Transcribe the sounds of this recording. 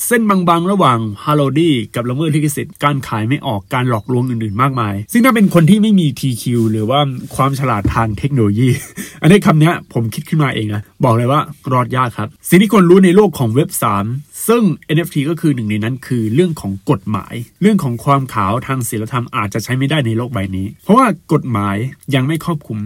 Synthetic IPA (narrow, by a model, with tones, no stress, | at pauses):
se˥˩nbaː˧ŋba˧ŋɾa˧waː˨˩ŋhaː˧loː˧diː˥˩ka˨˩p̚la˧mɤː˥˩t̪̚ʰːi˥˩kːi˥˩si˨˩t̪̚kaː˧nkʰaː˩˦jma˥˩jʔɔː˨˩kːaː˧nlɔː˨˩k̚ɾu˧əŋʔɯː˨˩nʔɯː˨˩nmaː˥˩k̚maː˧jsɯ˥˩ŋnaː˥˩pe˧nkʰo˧nt̪ʰiː˥˩ma˥˩jmiː˧t̪ʰiː˧kʰi˧wɾɯː˩˦waː˥˩kʰwaː˧mt͡ɕʰa˧laː˨˩t̪ʰːaː˧ŋt̪ʰe˦˥k̚noː˧oː˧jiː˥˩ʔa˧ni˦˥˩k̪ʰa˧mni˦˥ɐpʰo˩˦mkʰi˦˥t̪̚kʰɯ˥˩nmaː˧ʔeː˧ŋʔa˦˥bɔː˨˩k̚la˧jwaː˥˩ɾɔː˥˩t̪̚jaː˥˩kʰɾa˦˥p̚si˨˩ŋt̪ʰiː˥˩kʰu˧nɾuː˦˥na˧jloː˥˩kʰːɔː˩˦ŋwe˦˥p̚saː˩˦msɯ˥˩ŋʔe˧nʔe˦˥ft̪ʰiː˧kɔː˥˩kʰɯː˧nɯ˨˩ŋna˧jna˦˥nkʰɯː˧ɾɯ˥˩əŋkʰɔː˩˦ŋko˨˩t̪̚ma̰ː˩˦jɾɯ˥˩əŋkʰɔː˩˦ŋkʰwaː˧mkʰaː˩˦wt̪ʰaː˧ŋsiː˩˦la˧t̪ʰa˧mʔaː˨˩t̪̚t͡ɕa˨˩t͡ɕʰa˦˥jma˥˩jdaː˥˩jna˧jloː˥˩k̚wa˧jniː˦˥pʰɔ˦˥waː˥˩ko˨˩t̪̚maː˩˦jːa˧ŋma˥˩jkʰɔː˥˩p̚kʰu˧m